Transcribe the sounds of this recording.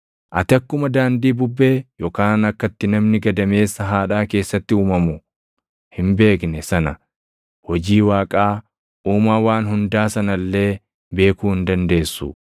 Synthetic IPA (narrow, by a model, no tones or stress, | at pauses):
ʔɐt̪ɪɐkːʊmɐd̪aːnd̪iːbʊbːe̞ːjɔkaːnɐkːɐt̪ːɪnɐmnɪɡɐd̪ɐme̞ːsːɐɦaːᶑaːke̞ːsːɐt̪ːɪuːmɐmʊ | hɪmbe̞ːknɛsɐnɐ | hɔd͡ʒiːwaːkʼaː | ʔuːmaːwaːnɦʊnd̪aːsɐnɐlːe̞ː | be̞ːkuːhɪnd̪ɐnd̪e̞ːsːʊ̰